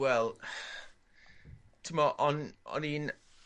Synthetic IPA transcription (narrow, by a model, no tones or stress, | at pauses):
wɛlˠ | tʰimɔʔɔnɔ̰nin